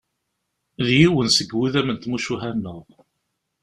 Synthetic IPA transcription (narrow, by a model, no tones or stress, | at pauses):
ðjiwənsəɡwiðæmənt̪muʃuɦænːəʁ